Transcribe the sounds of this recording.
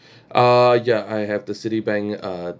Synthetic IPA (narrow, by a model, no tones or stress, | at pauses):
ʔʌjaaɪɦɛvdəsɪɾibɛ̃ŋʌ